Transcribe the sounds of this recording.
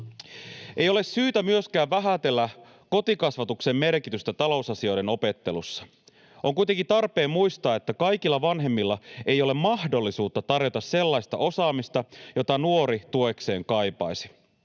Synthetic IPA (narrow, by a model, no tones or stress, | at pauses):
ʔejo̞le̞ssyːt̪æmyøskæːʋʋæɦæt̪e̞lːæ | ko̞t̪ikɑsʋɑt̪ukse̞mːme̞rkit̪yst̪æt̪ɑlo̞usɑsio̞jde̞no̞pe̞t̪ːe̞lusːɑ̥ | o̞ŋkujt̪eŋkint̪ɑrpe̞ːmujst̪ɑːe̞t̪ːækɑjk̟ilːɑʋɑnɦe̞mːilːɑe̞jo̞le̞mmɑhdo̞lːisuːt̪ːɑt̪ɑrjo̞t̪ɑsse̞lːɑjst̪ɑ̰ʔo̞sɑːmist̪ɑjo̞t̪ɑnuo̞ɾit̪uekse̞ːŋkɑjpɑjsi̥